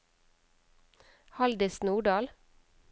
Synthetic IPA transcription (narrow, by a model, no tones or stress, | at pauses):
hɑld̪ɪsnuːɖɑːl